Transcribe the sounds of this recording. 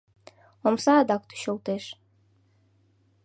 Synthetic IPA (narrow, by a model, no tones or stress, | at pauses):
omsɑːd̪ɑkt̪y̥ɕolt̪eʃ